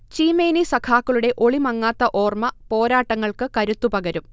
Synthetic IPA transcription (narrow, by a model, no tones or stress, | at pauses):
t͡ɕiːmeːnisɐkʰaːkːɐɭuɽe̞ʔo̞ɭimɐŋːaːt̪ːɐʔo̞ːrmɐpo̞ːɾaːʈːɐŋːɐɭkɨkɐɾut̪ːupɐɡɐɾum